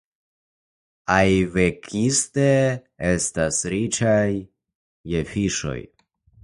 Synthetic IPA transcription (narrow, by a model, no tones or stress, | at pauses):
ajve̞kʰiste̞ | e̞stasɾit͡ʃajː | efiʃo̞̰j